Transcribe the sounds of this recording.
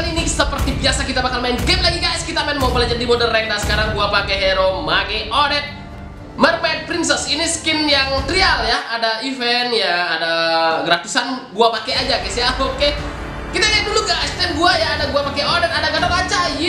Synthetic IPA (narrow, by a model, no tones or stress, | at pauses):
linissəpərt̪ibiasakit̪abakalmainɡɛmlaɡiɡajskit̪amɛnmapəlad͡ʒat̪̚dimodərːɛkdasə̥kaɾaŋɡuapakɛɦɛɾomaɡɛodɛt̪̚ | mərmɛn̚pɾinsɛsiniskɪnjaŋt̪ɾialjaadaifɛnjaːdaɡɾat̪usanɡuapakɛad͡ʒaɡajsjaoke | kit̪aɡaduluɡast̪ɛnɡuajaːdaɡuapakɛodɛt̪adaɡadolad͡ʒaj